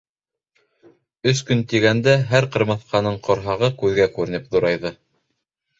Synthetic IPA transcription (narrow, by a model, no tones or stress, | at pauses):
ɵskɵnt̪iɡænd̪æɦæɾqɤ̆ɾmɤθqɑnɤɴqʰŏɾɦɑʁɤkʉðɡækʉɾɘ̆nɘpðuɾɑjðɤ